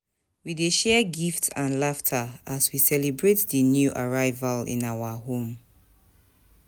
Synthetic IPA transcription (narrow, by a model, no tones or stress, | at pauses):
wideʃɛɡiftãnlaftʰaaswisɛlibɹetðənjuʔaɹaɪvalḭ̃nawaɦõm